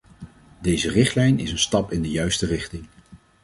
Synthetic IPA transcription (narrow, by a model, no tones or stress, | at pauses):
dejzərɪχtlɛjnɪsənstɑpɪndəjœɥstərɪχtɪŋ